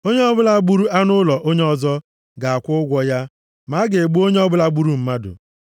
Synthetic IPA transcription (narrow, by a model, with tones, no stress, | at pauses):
o˦ɲe˦ɔ˦bʊ˦la˦ɡ͡bu˦ɾu˦a˦nʊ˦lɔ˨ʔo˦ɲe˦ɔ˦zɔ˦ | ɡa˨a˨kʷʊ˦ɡʷɔ˦ja˦ | ma˨˦ɡe˨e˨ɡ͡bu˦o˦ɲe˦ɔ˦bʊ˦la˦ɡ͡bu˦ɾu˦m̩˦ma˦dʊ̰˨